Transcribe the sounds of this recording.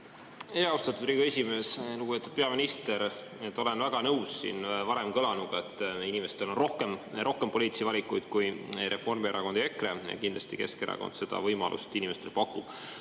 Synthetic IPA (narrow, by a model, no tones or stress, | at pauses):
eːɑust̪ɑt̪ːˑud̪riːɡe̞sʲime̞ːsluɡub̥et̪ːˑud̪̥pe̞ɑminist̪e̞ɾ | e̞t̪ːˑo̞le̞nvæɡ̥ɑnɤwsːḭːnvɑɾe̞mkɤlɑnuɡ̥ɑet̪ˑːinime̞st̪e̞lo̞nrohkemʔo̞hkempo̞lʲiːt̪sivɑlʲikːˑujd̪̥kujɾe̞fo̞rmieɾʔɑko̞nd̪ie̞kre̞jɑ̰kind̪lɑst̪ike̞̰skeɾʔɑ̰kond̪̥se̞d̪ɑ̰vɤjmɑlʔṵst̪inimest̪e̞lpɑkːˑub̥